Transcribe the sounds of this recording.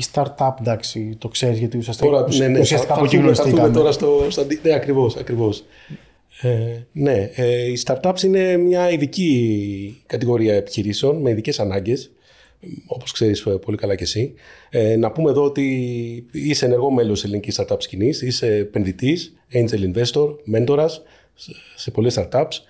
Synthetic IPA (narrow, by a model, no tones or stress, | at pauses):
ist̪ɐɾt̪ɐpd̪ɐksit̪o̞kse̞ɾizjɐt̪iusɐst̪oɾɐnenesiɐsikaɐoumisɾiθumet̪o̞ɾɐst̪ost̪ɐd̪ineɐkɾivo̞sɐkɾivo̞s | ene̞ist̪ɐɾt̪ɐpsine̞mɲɐiðici | kɐt̪iɣo̞ɾiɐepi̥çiɾiseo̞nme̞iðice̞sɐnɐɲɟe̞s | o̞po̞skse̞ɾispo̞likɐlɐce̞si | nɐpume̞ðo̞ot̪i | ise̞ːne̞ɾɣo̞me̞lo̞selinicist̪ɐɾt̪ɐpscinisise̞pe̞nðit̪is | end͡ʒelinve̞st̪o̞ɾme̞nt̪o̞ɾɐs | se̞po̞lest̪ɐɾt̪ɐps